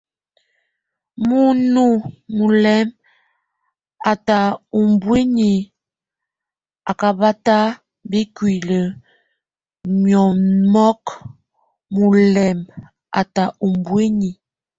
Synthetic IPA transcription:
mu˨nu˦mu˨lɛ˦m | a˨ta˨u˨mbwe˦ni˨ | a˨ka˨ba˦ta˦ | bi˦kwi˨lə˨ | mjɔ˨mmɔ˦k | mu˨lɛ˨m | a̰˨ta˨ʔu˨mbwe˦ɲi˨

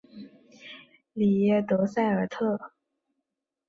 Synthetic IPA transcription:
li˨˩jɛ˥˩t̪ɤ˧˥sa˥˩ɪə˞˨˩t̪ʰɤ˥˩

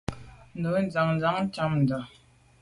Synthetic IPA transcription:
nd̪o˨wnd͡za˨ŋnd͡za˨ŋt͡ɕa˦˨mnd̪ə˨

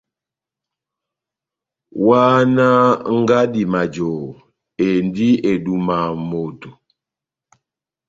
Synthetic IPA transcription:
wa˦na˦ŋ˦ɡa˦di˨ma˨d͡ʒo˨ | e˨ndi˦e˨du˨ma˨mo˨to˨

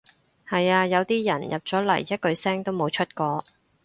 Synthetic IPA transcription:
hɐ˨jaː˧jɐ˨˧wt̪iː˥jɐ˨˩njɐ˨p̚t͡sɔː˨˥lɐ̰˨˩jːɐ˥t̚kɵ˧ɥsɛː˥ŋt̪o˥wmo˨˧wt͡ʃʰɵ˥t̚kɔː˧

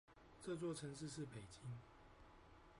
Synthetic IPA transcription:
ʈ͡ʂɤ˥˧t͡swɔ˥˨ʈ͡ʂʰə˧˦ŋʂɻ̩˥˧ʂɻ̩˥˨pe˨˩ɪt͡ɕi˦ŋ

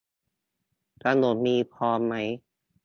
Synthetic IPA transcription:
k̪ɾa˧mno˨˩t̪̚miː˧pʰɔː˦˥mːa˦˥j

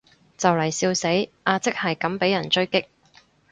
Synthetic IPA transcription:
t͡sɐ˨wlɐ˨˩jsiː˧wse˨˥jʔaː˧t͡sɪ˥k̚hɐ˨jkɐ˨˥mpe˨˥jɐ˨˩nt͡ʃɵ˥ɥkɪ˥k̚

